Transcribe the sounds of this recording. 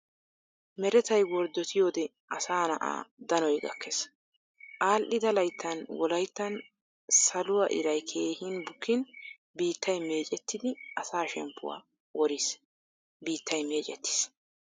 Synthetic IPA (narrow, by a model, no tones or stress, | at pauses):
mɛɾɛt̪ɐjwɔɾd̪ɔt̪ʰɪjo̞ːd̪ɛ | ʔɐsaːnɐʔa̰ːd̪ɐnɔjɡɐ̰kʰːɛs | ʔaːlʔɪd̪ɐlɐjt̪ːɐnwɔlɐjt̪ːɐn | sɐlʊwɐʔɪ̰ɾɐjkʰeːhɪnbʊkːɪn | biːt̪ːɐjmeːt͡ʃʼɛt̪ʰːɪd̪ɪʔɐsaːʃɛmpːʊ̰wa̰ː | wɔɾɪs | biːt̪ʰːɐjme̞ːt͡ʃʼɛt̪ːɪ̥s